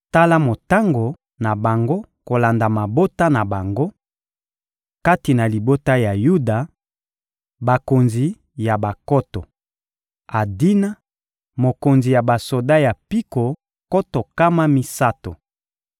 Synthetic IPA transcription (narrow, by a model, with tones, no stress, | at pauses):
ta˦la˦mo˨ta˦ŋɡo˨ | na˨ba˨ŋɡo˦ | ko˨la˨nda˨ma˨bo˦ta˦na˨ba˨ŋɡo˦ | ka˦ti˨na˨li˨bo˦ta˦ja˨ju˦da˨ | ba˨ko˨nzi˨ | ja˨ba˨kɔ˦tɔ˨ | a˨di˦na˦ | mo˨ko˨nzi˨ja˨ba˨so˨da˦ja˨pi˦ko˨ | ko˦to˨ka˦ma˦mi˦sa˦to̰˨